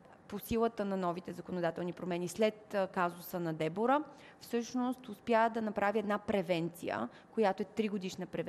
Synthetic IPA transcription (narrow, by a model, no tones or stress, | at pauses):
posilˠət̪ənɐnɔvit̪ɛzɐkonod̪at̪ɛlˠnipɾomɛnislɛt̪kazʊsənɐd̪ɛboɾə | fsɤʃnost̪ʊspjad̪ɐnɐpɾaviɛd̪napɾɛvɛnt̪sḭjə̰ | kojat̪oɛt̪ɾiɡod̪iʃnəpɾɛv